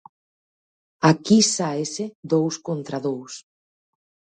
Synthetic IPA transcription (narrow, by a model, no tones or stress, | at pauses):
akisaesed̪owskont̪ɾaðows